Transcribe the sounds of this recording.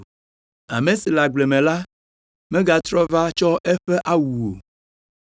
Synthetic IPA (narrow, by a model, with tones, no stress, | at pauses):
a̰˨mẽ˨si˨la˨ɡ͡ble˨mẽ˨la˦ | mɛ̃˦ɡa˨t̪ɾɔ˦va˦t͡ʃɔ˦ʔɛ˦ɸɛ˦ʔa˦wu˨o˨